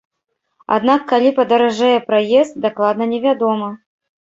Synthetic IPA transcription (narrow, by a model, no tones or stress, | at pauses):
a̰d̪nakːalʲipɐd̪ɐɾaʐɛjɛpɾajɛst̪̚d̪aklˠad̪nɐnʲɛvʲad̪ɔmɐ